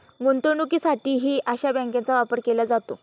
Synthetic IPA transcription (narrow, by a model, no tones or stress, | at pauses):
ɡont̪əɳukiːsaʈiːɦiːʔaɕabɛ̃ŋkẽnt͡saʋapəɾkelad͡zat̪o